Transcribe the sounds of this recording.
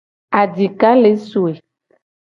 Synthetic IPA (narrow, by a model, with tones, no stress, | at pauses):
a˨d͡ʒi˨ka˦le˨˦su˨e˨